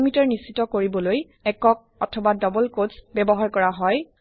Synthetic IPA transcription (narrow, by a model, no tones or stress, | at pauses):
mitɔɹnisitɔkoɹibɔloj | ɛkɔk̚ɔ̰tʰɔbadɔbɔlkozbɛbɔɦaɹkɔɹaɦɔj